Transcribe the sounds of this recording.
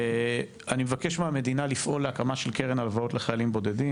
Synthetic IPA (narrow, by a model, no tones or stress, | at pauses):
animevakeʃmeame̞d̪inalifʔo̞lːeakamaʃelkeʁenalvao̞tleχajalimbo̞de̞di